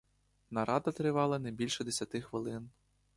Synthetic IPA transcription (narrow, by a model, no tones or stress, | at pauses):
nɐɾɑd̪ɐt̪ɾɪʋɑlˠɐnɐbʲilʲʃɛd̪esʲɐt̪ɪxʋɪlˠɪn